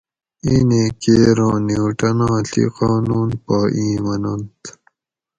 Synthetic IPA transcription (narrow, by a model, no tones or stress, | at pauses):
iːnekeːɾõːniuʈɐnãːɬḭqaːnuːnpaːʔĩːmɐnɐnt̪